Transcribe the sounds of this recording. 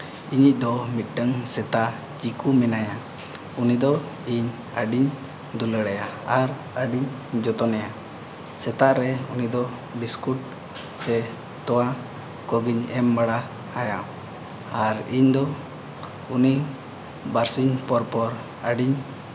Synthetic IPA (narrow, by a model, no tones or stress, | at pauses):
iɲic̚ˀd̪ɔmit̪̚ˀɖəŋsɛt̪a | d͡ʒikumɛnaja | unid̪ɔ | iɲ | əɖiɲ | d̪uləɽajaaɾ | əɖiɲ | d͡ʒɔt̪ɔnɛja | sɛt̪aʔɾɛunid̪ɔ | biskuʈ̚ | sɛ | t̪ɔwa | kɔɡiɲɛmbaɽa | haja | aɾiɲd̪ɔ | uni | baɾsiɲpɔɾpɔɾ | əɖiɲ